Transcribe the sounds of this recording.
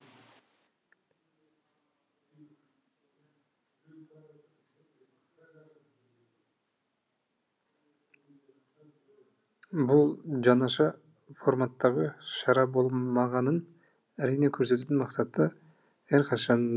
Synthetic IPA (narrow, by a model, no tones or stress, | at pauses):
bulˠd͡ʒɑnɑʃɑ | fo̞rmat̪ːɑʁəʃɑɾɑbo̞lˠmɑʁɑnɯn | æɾijne̞kʰɵɾse̞t̪yːt̪ynmɑqsɑt̪ɯ | æɾqʰɑʃɑn